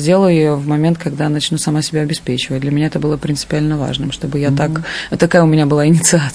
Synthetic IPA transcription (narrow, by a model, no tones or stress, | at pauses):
zʲdʲe̞lˠəjʊjɪjovmɐmʲent̪kɐɡd̪anɐt͡ɕnʲusɐmasʲɪbʲaɐbʲɪspʲet͡ɕɪvət̚ʲd̪lʲɐmʲɪnʲaɛt̪əbɨlˠəpɾʲɪnt̪sɨ̥pʲɪalʲnəva̰ʐnɨmʂt̪o̞bɨjat̪akt̪ɐkajəʊmʲɪnʲabɨlˠaɪnʲɪt̪sɨa